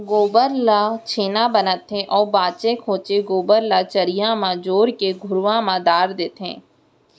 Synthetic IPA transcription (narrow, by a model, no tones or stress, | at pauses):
ɡoːbəɾlat͡ʃʰeːnabənət̪ɦẽʔɔːɾbaːt͡ʃekʰoːt͡ʃeɡoːbəɾlat͡ʃəɾijãmãd͡ʒoːɾkeɡʱʊɾʋãmãd̪aːɾd̪eːt̪ɦḛ̃ː